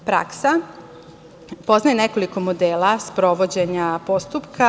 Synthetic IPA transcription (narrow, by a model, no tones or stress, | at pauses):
pɾa̰ksa | po̞znajeneko̞liko̞mo̞d̪eːlaspɾo̞ʋod͡ʑe̞ɲapo̞st̪upkʰa